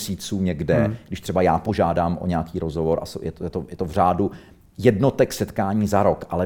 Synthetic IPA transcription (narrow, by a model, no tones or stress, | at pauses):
siːt͡suːɲɛɡdɛɡdɪʃt̪r̝̥ɛbajaːpo̞ʒaːdaːmʔo̰ɲɛakiːɾozɦovoɾʔa̰sojɛt̪jɛt̪ojɛt̪ovr̝aːdu | jɛdno̞t̪ɛksɛt̪kaːɲiːzaɾokʔalɛ